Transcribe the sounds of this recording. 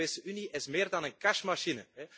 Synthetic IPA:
eːsəʔyniʔɪsmɪːrdɑnənkɛʃmaʃinəɦɛ

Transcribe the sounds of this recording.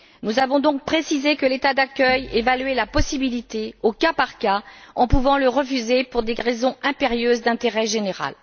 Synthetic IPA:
nuzavɔ̃d̪ɔ̃k̚pχesizekəlet̪ad̪akʲœjḛvalɥelapɔsibilit̪eokapaʁkaɑ̃puvɑ̃ləʁəfyzepuʁd̪eʁezɔ̃ɛ̃peʁjøzd̪ɛ̃t̪eʁɛʒeneʁa̰l

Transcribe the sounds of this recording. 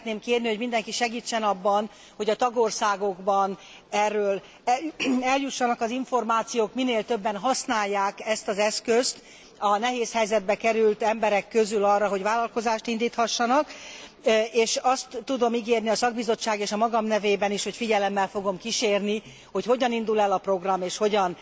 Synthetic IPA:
t̪neːmkeːrniho̞ɟmind̪ɛŋkiʃɛɡiːt͡ʃːɛnɒbːɒn | ho̞ɟɒt̪ɒɡo̞rsaːɡo̞ɡbɒn | ɛrːøːl | ɛljuʃːɒnɒkɒziɱfo̞rmaːt̪sijoːkmineːlt̪ø̞bːɛnɦɒsnaːjːaːkɛst̪ɒzɛskøst̪ | ɒnɛɦeːshɛjzɛd̪̚bɛkɛɾylt̪ɛmbɛɾɛkːø̞zylɒrːɒɦo̞ɟvaːlɒlko̞zaːʃt̪ind̪iːt̪hɒʃːɒnɒkː | eːʃɒst̪ːud̪o̞miɡeːrniɒsɒɡ̚bizo̞t͡ʃːaːɡeːʃɒmɒɡɒmnɛveːbɛniʃho̞cfiɟɛlɛmːɛlfo̞ɡo̞mkiʃeːrni | ho̞cho̞ɟɒnind̪ulɛlɒpro̞ɡrɒmeːʃho̞ɟɒn

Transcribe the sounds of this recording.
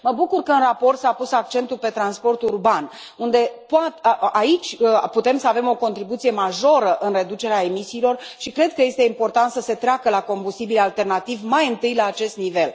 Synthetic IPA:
məbukurkəɨnrapo̞rt̪sapusak̚t͡ʃe̞nt̪ulpe̞t̪ɾanspo̞rt̪urban | und̪e̞poat̪ait͡ʃʲput̪e̞msəave̞mo̞ko̞nt̪ɾibut̪sije̞maʒo̞ɾəʔɨnre̞d̪ut͡ʃe̞ɾeae̞misiːlo̞rʃikɾe̞d̪̚kəje̞st̪e̞impo̞rt̪ant̪səse̞t̪ɾeakəlako̞mbust̪ibilalt̪e̞rnat̪ivmajɨnt̪ɨjlaːt͡ʃe̞st̪nive̞l

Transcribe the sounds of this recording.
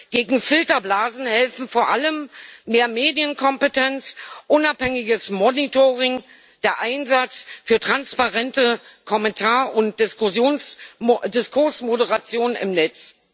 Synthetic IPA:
ɡ̥eːɡŋ̩fɪltɐblaːzn̩hɛlfn̩foːɐʔaləmːeːɐmeːdjənkʰɔmpətʰɛnt͡sʔʊnaphɛŋɪɡəsmɔnitoʁɪŋ | d̥eːɐʔaɪnzat͡sfyːɐtʁ̥anspaʁɛntəkʰɔmɛntʰaːɐʊnt̚d̥ɪʊjoːn | dɪskʰʊɐsmodəʁat͡sjoːnənɪ̰mnɛt͡s

